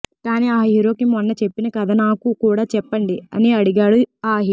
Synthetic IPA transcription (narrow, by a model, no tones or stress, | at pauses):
kaːniaːɦiːɾo̞ːkimɔnːɐt͡ʃe̞pːinɐkɐd̪anaːkukuːɽaːt͡ʃɛpːɐɳɖiɐ̰niɐɽiɡaːɽuaːɦi